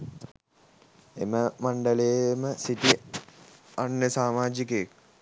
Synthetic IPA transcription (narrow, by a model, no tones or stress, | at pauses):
eməmaɳɖəlejməsit̪i | anːəsaːmaːd͡ʒik̬əek̚